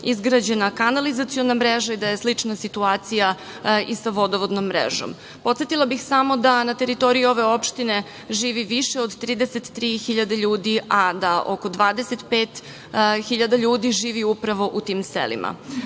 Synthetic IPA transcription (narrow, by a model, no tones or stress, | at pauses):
izɡɾad͡ʑenakanalizat̪sijo̞namɾeʒaid̪aje̞slit͡ʂnasit̪uaːt̪sija | isaʋo̞d̪oʋod̪nomːɾḛʒo̰m | pt̪set̪ilˠabixsamo̞d̪anat̪e̞ɾit̪o̞ɾijuo̞ʋe̞o̞pʃt̪ine̞ | ʒiːʋiʋiʃeo̞d̪t̪ɾiːd̪eset̪ːɾiːxiʎad̪aʎuːd̪iʔad̪aʔo̞ko̞d̪ʋaːd̪eset̪peːt̪ | xiʎad̪aʎuːd̪iʒiːʋiupɾaʋo̞ʔut̪iːmsḛlḭmʔa̰